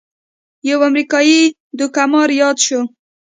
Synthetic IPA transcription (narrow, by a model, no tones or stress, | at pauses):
jawamɾikɑji | d̪ʊkamɑɾjɑd̪ʃo